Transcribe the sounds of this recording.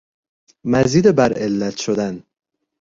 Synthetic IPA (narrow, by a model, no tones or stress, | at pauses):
mæziːd̪ebæɾelːæt̪ʰʃod̪æn